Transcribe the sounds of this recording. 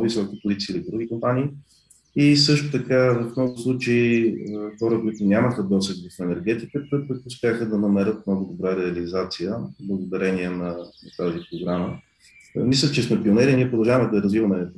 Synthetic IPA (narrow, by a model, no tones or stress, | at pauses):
visɔkʲipolit̪siːlid̪ɾuɡ̟ikompaniː | isɤʃt̪ʊ̥t̪ɐkavɐfmnɔɡʊslˠut͡ʃeiəxɔɾəkʊit̪ʊnʲaməxəd̪ɔsəkvɐfɛnɛɾɡ̟ɛt̪ikət̪əpəʊspʲjaxəd̪ɐnɐmɛɾət̪̚mnɔɡʊd̪obɾaɾɛɐlizat̪sijəblˠəɡʊd̪ɐɾɛniɛnɐnt̪azipɾoɡɾamə | mislʲət͡ʃɛsmɛpionɛɾiniɛpɾʊd̪ɐlˠʒavəmɛd̪ɐɛɾɐzvivəmɛ